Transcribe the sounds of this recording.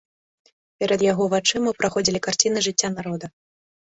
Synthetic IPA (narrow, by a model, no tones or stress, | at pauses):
pʲɛɾɐd̪jaɣɔvat͡ʂɨmɨwpɾaxɔd͡zʲilʲikart͡sʲinɨʐɨt͡sʲːanaɾɔd̪ɐ